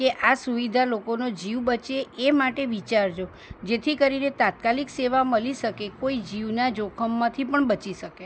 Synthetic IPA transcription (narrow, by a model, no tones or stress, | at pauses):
keʔasuʋid̪ʱalokonod͡ʒiʋbət͡ʃeʔemaʈeʋit͡ʃaɾd͡ʒo | d͡ʒet̪ʰikəɾinet̪at̪̚kalikseʋaməliʃəkekoid͡ʒiʋnad͡ʒokʰəmːãt̪ʰipəɳbət͡ʃiʃəke